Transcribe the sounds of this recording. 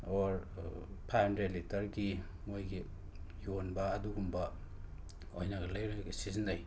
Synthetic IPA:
ɔɾpʰajhandɾedlitɐɾɡi | mojɡi | jonbɐːduɡumbɐ | ojnɐɡɐlɐjɾeɡɐsizinaj

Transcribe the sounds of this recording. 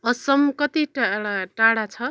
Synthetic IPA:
ʌsʌmkʌt̪iʈɽaʈaɽat͡sʰʌ

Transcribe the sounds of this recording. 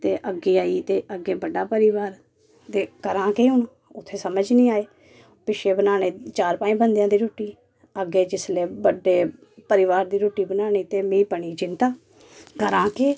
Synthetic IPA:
t̪eːʔəɡeːaːiːt̪eːʔəɡeːbəɖaːpəɾiʋaːɾ | t̪eːkəɾãːkeːɦʊɳ | ʊt̪ʰːeːsəməd͡ʒnĩːaːeː | pɪʃeːbənaːñeːt͡ʃaːɾpaːĩːbənd̪jãːd̪iːɾoːʈːiː | əɡeːd͡ʒɪsleːbəɖeː | pəɾɪʋaːɾd̪iːɾoːʈiːbənaːniːt̪eːmĩːpəɳ̃iːd͡ʒɪnt̪aː | kəɾãːkeː

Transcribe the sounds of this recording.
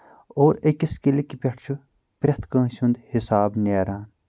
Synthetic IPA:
oːɾekiskilikipʲɐʈʰt͡ʃʰu | pɾʲɐt̪ʰkɐ̃ːʃũnd̪hɪsaːbneːɾaːn

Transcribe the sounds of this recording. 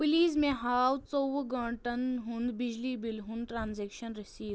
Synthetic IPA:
piliːzmẽɦaːwt͡soːʋɡə̃ɽʈɐnɦʊ̃nd̪bɪd͡ʒlibɪlɦũnd̪ʈɾaːnzeːkʃənɾɪsiːd̪

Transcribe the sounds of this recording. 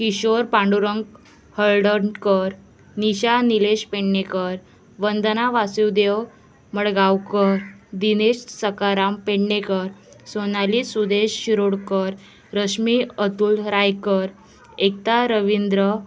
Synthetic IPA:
kiɕoɾpãɳɖuɾəŋɡ | həɭɖəɳkəɾ | niɕanileɕpeɳːekəɾ | ʋənd̪naʋasiwd̪ew | məɽɡawkəɾd̪ineɕsəkaɾampeɳːekəɾ | sonalisud̪eɕːiɾoɽkəɾ | ɾəɕmiət̪uːlɾajkəɾ | ek̚t̪aɾəʋind̪ɾə

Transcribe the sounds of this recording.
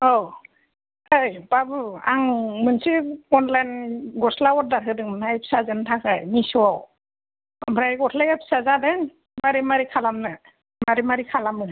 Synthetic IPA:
ɔw | ajbabɯaŋmɯnsiɔnlajnɡɔslawɔɾ̚daɾɦɯdɯŋmnajpʰi̥sazɯntʰakʰajnisɔwaw | bʱɾajɡɔtʰlajapʰi̥sazadɯn | maɾimaɾikʰalamnɯ | maɾimaɾikʰalamnɯ

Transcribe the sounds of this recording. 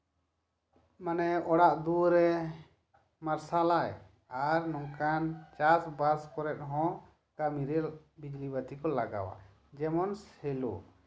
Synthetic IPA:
manɛɔɽaʔd̪uɾɛ | maɾsalaj | aɾnɔŋkant͡ʃasbaɾskɔɾɛt̪̚ɦɔ̃ | kamiɾɛ | bid͡ʒlibat̪ikɔlaɡa̰wa̰ | d͡ʒɛmɔnshɛlo̰

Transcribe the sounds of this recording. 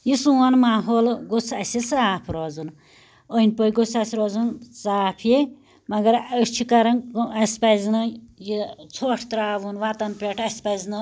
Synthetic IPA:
jisuɐnmaːɦoːlɡot͡sʰɐsʲisaːpʰɾɔːd͡zun | əinʲpojɡot͡sʰɐsʲiɾɔːzunt͡saːpʰje | mɐɡɐɾət͡ʃʰikɐɾɐnɐsʲpɐzinɨjit͡sʰoʈʰt̪ɾaːʋunʋat̪ɐnpʲeʈʰɐsʲpɐznɨ

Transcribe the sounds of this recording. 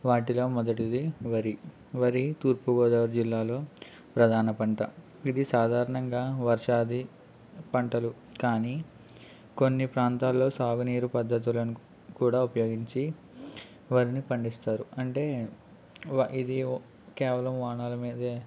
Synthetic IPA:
ʋaːʈilo̞ːmɔd̪ɐʈid̪iʋɐɾi | ʋɐɾit̪uːɾpuɡɔːd̪ɐːʋɾd͡ʒilːaːlo̞ː | pɾɐd̪ʱaːnɐpɐɳʈɐ | id̪isaːd̪ʱaːɾɐɳɐŋɡaːʋɐɾʂaːd̪i | pɐɳʈɐlu | kaːniː | ko̞nːipɾaːnt̪aːlːo̞ːsaːɡuniːɾupɐd̪ʱːɐt̪̬ulɐnu | kuːɽaːupɐjoːɡiɲt͡ʃi | ʋɐɾinipɐɳɖist̪aːɾuɐɳʈe̞ː | ʔid̪i | kɛːʋɐlɐmʋaːɳaːlɐmiːd̪e

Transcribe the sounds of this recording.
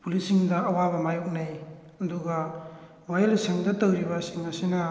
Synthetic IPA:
pulisiŋdɐɐwaβɐmajok̚naj | ɐduɡɐ | wajelseŋdɐtɐwɾibɐsiŋɐsinɐ

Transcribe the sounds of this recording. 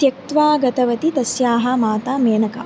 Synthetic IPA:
jɐk̚t̪ʋaːɡɐt̪ɐʋɐt̪id̪ɐsjaːɦɐmaːt̪aːmeːnɐkɐ̰

